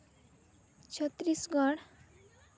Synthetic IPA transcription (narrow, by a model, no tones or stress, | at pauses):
t͡ʃʰʌt̪ːɾisɡɔɽ